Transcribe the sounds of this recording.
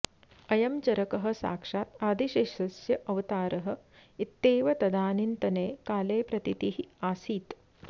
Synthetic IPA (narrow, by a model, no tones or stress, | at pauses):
ɐjɐmt͡ʃɐɾɐkɐɦɐ̆sa̰ːkʂaːt̪aːd̪iʃeʃɐsjɐʔɐʋɐt̪aːɾɐɦɐ̆it̪ːeːʋɐt̪ɐd̪aːnint̪ɐneːkaːleːpɾɐt̪it̪iɦiaːsiːt̪